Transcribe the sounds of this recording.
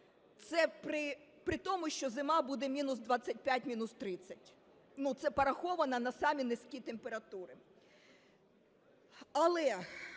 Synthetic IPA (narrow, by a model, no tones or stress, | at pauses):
t̪sɛpɾɪpɾɪt̪ɔmʊʃʲt͡ʃɔzɪmɑbud̪ɛmʲinʊsd̪ʋat͡sʲːɐt̚ʲpʲjatʲmʲinʊst̪ɾɪt͡sʲːɐtʲ | nut̪sɛpɐɾɐxɔʋɐnɐnɐsɑmʲinɪskʲit̪empe̞ɾɐt̪uɾɪ | ɐlˠɛ